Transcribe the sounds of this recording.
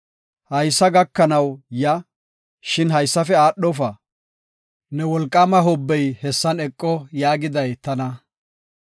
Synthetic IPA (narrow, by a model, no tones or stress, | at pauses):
hɐjsːɐɡɐkːɐnɐwjɐ | ʃɪnɦɐjsːɐfɛaːɗɔfɐ | nɛwɔlkʼːamɐɦɔbːɛjhɛsːɐnɛkʼːɔjaːɡɪd̪ɐjt̪ɐnɐ